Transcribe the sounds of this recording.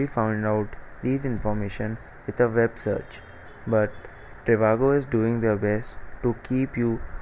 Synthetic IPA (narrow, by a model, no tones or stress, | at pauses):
ifãʊ̃ɳɖaʊʈd̪iːzɪ̃nfɔːɾmeːʃə̃n | ʋɪd̪ʰəʋɛbsə̰ːɾt͡ʃ | bʌʈ | ʈɾeʋaːɡoɪzɖuːɪ̃ŋd̪əbɛsʈʈːukiːpjuː